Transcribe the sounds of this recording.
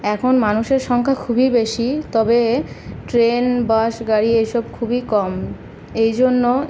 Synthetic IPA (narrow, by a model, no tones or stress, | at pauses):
ɛkʰonmanuʃeɾʃɔŋkʰakʰubibeʃit̪ɔbeʈɾenbaʃɡaɽiejʃɔb̚kʰubikɔm | ejd͡ʑonːo